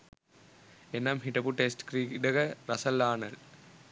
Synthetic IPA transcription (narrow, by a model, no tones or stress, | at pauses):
enːamɦiʈɐpuʈesʈkɾiːkɖɐɡɐɾɐsɐlːaːnɐl